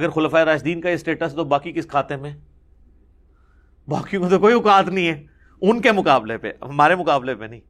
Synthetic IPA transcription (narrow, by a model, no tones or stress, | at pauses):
ɐɡəɾxʊlfaːeɾaːt͡ʃd̪iːnkajesʈeːʈəst̪obaːkikɪskʰaːt̪emẽ | baːkijõket̪okoːiʊkaːt̪nɐɦĩɦɛː | ʊnkemʊkaːblepḛɦɐmaːɾemʊkaːblepenɐĩː